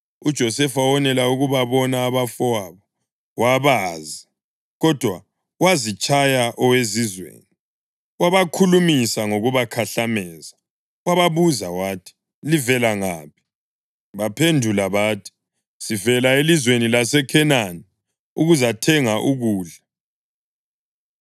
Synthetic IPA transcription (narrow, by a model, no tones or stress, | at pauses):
ud̥ʒ̥ʱɔsɛfawɔnɛlauɣuβaβɔnaːβafɔwaβɔ | waβaːzi | ɣɔd̥ʱwa | wazit͡ʃʼajaʔɔwezizwḛːni | waβakʰulumisaŋoɣuβakʰaɬamɛːza | waβaβuzawaːtʰi̥ | livɛlaŋaːpʰi̥ | βapʰendʱulaβaːtʰi̥ | sivɛlaelizwenilasɛkʰɛnanɛ | uɣuzatʰɛŋaʔuɣuːɮa